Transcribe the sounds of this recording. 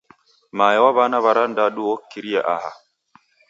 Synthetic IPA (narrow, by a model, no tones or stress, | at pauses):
maːjɛwaβanaβaɾandaɗuwokːiɾijaʔaha̰